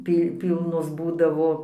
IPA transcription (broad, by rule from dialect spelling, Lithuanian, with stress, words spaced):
ˈpʲiː ˈpʲiːlˠnoːs ˈbuːdɐʋoː